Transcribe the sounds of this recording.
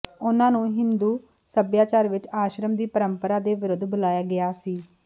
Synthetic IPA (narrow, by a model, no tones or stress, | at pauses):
ʊnãːnũːɦɪnd̪uː | səbjaːt͡ʃaːɾʋɪt͡ʃaːʃɾəmd̪iːpəɾəmpəɾaːd̪eːʋɪɾoːd̪bʊlaːjaːɡɪaːsiː